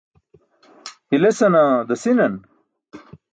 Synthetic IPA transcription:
hilesɐnad̪ɐsinɐn

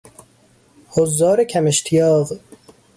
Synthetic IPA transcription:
hozːɒːɾekʰæmeʃt̪ʰijɒːʁ

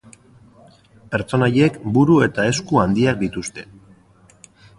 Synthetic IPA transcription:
pe̞ɾt͡so̞naje̞kbuɾue̞t̪ae̞skuand̪iak̚d̪it̪ust̪e̞̥

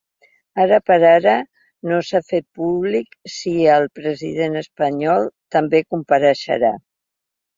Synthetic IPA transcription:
aɾəpəɾaɾə | nosafet̪̚puβliksiəlˠpɾəziðenəspəɲɔlˠt̪əmbekumpəɾəʃə̰ɾa

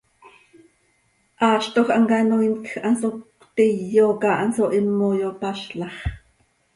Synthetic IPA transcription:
ʔɑːʃt̪oχʔɑŋkɑnoinkxʔɑnsok | t̪ijːokɑʔɑnsoʔimːojopɑʃɬɑχ

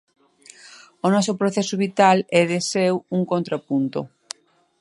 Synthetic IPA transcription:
onɔsopɾoθɛsoβit̪alɛðesewuŋkont̪ɾapunt̪o̰

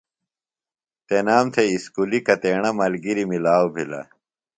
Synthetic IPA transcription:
t̪enaːmt̪ʰeiskulikɐt̪eːɳɐmɐlɡiɾimilaːwbʱilɐ̰

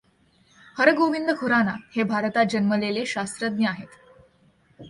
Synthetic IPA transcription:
həɾəɡoʋind̪əkʰuɾanahebʱaɾt̪ad͡ʑənməleleɕast̪ɾəd̪njəaɦet̪

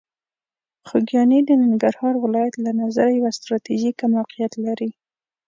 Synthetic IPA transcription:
xʊɡjɑnid̪ənɪŋɡaɾhɑɾwɪlɑjat̪lanazaɾajawast̪ɾɑt̪iʒikamawqijat̪laɾi

